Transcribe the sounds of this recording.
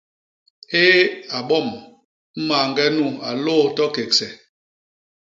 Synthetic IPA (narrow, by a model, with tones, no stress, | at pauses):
eː˦a˨ɓɔ˦˨m | m̩˦ma˨ŋɡɛ˦nu˦˨a˨loː˦˨tɔ˦ke˨k̚sɛ˨